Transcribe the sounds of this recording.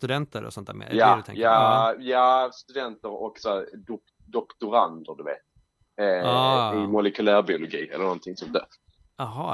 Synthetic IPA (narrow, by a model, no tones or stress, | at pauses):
t̪ɵd̪ɛnt̪əɾɔ̰sɔnt̪ːæːmḛːɾjad̪ɵt̪ʰɛ̰ŋjajaːst̪ɵd̪ɛnt̪əɾɔksɔæɾd̪ʊ | d̪ɔkt̪ʊɾand̪ʊd̪ɵvḛːt̪̚ | aːɪmʊlɛkɵlæːɾbɪʊlʊɡiːɛ̰lːəɾnɔnt̪ʰɪŋsɔmd̪øː | aɦɑː